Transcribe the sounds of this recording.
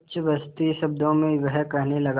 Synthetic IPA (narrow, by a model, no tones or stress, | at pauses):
t͡ʃʋəst̪iʃɐbd̪õmẽʋəɦkɛɦnelɐɡ